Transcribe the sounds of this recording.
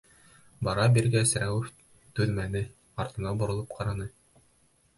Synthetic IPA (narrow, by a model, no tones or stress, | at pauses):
bɑɾɑbiɾɡæsɾæwɘf | t̪ʉðmænɘ | ɑɾt̪ɤ̆nɑbŏɾŏlˠɤp̚qʰɑɾɑnɤ